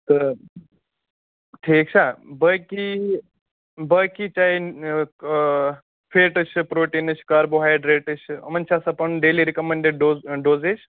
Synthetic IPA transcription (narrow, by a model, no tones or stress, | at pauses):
t̪ə | ʈʰiːk̚t͡ʃʰabəki | bəkit͡ʃai | pʰeːʈət͡ʃʰpɾoːʈinət͡ʃʰkaɾboɦajɖɾeʈət͡ʃʰɐ̰mənt͡ʃʰasɐpənɖeːliɾikəmeɳɖeɖɖoɖoːzet͡ʃʰ